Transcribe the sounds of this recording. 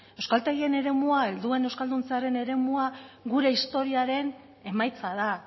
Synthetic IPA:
e̞wskalt̪eɣie̞ne̞ɾe̞muaeld̪ue̞ne̞wskald̪unt͡seaɾe̞ne̞ɾe̞muaɣuɾe̞ist̪o̞ɾiaɾe̞n | e̞majt͡sað̞a

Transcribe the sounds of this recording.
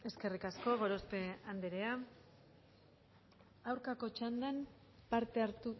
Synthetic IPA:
e̞ske̞rikasko̞ɣ̞o̞ɾospe̞and̪eɾea | awɾkako̞t͡ʃand̪am | paɾt̪e̞aɾt̪u

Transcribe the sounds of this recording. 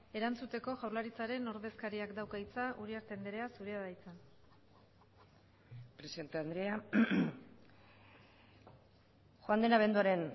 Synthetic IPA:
e̞ɾant͡sut̪e̞ko̞ʝawɾlaɾit͡saɾe̞no̞ɾðe̞skaɾiakd̪awkaijt͡saʔuɾiaɾt̪e̞nd̪eɾe̞asuɾiaðajt͡san | pɾesiðe̞nt̪eand̪ɾea | xoand̪e̞naβ̞e̞nd̪uaɾe̞n

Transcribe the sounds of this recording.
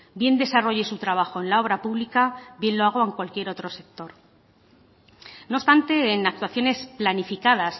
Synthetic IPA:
bje̞nd̪e̞saro̞ʝe̞sut̪ɾaβ̞axo̞e̞nlao̞β̞ɾapuβlikabje̞nlo̞aɣ̞o̞eŋkwalkje̞ɾo̞t̪ɾo̞se̞k̚t̪o̞ɾ | nopst̪ant̪e̞ːnak̚t̪waθjo̞ne̞splanifikað̞as

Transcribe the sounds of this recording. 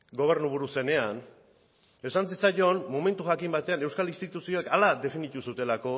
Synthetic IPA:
ɡo̞β̞e̞ɾnuβ̞uɾuse̞ne̞an | e̞sansit͡saʎo̞nmome̞nt̪uʝakimbat̪e̞ane̞wskalinst̪it̪usio̞ekalad̪e̞finit̪usut̪e̞lako̞

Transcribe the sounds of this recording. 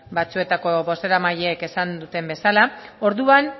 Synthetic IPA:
bat͡sue̞t̪ako̞βo̞se̞ɾamaʎeːke̞sand̪ut̪e̞mbe̞salao̞ɾðuan

